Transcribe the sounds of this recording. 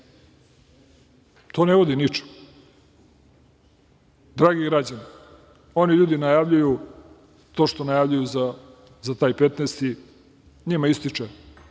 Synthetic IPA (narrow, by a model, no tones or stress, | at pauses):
t̪ʰo̞ːneʋo̞d̪init͡ʃo̥ | d̪ɾaːɡiɡɾad͡ʑani | o̞niʎuːd̪inajaʋʎuju | t̪o̞ːʃt̪o̞najaʋʎujuza | zat̪aːjpet̪nest̪i | ɲimaist̪it͡ʃe